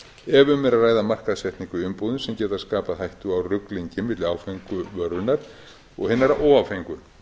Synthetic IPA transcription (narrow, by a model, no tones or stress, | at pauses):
ɛvʏmːɛɾaðraːjðamar̥kaðsjɛht̪niŋkʏʏmpoðʏnsɛmcɛːt̪askaːpaðhajht̪uawrʏkliɲcɪmɪt̪lɪawfejŋkʏvœɾðʏnaɾ̥ | ɔ̰ɣhɪnːaɾaɔːwawfejŋkʏ